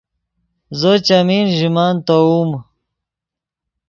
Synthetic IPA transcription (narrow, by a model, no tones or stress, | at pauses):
zot͡ɕamiːnʑimaːnt̪ouːm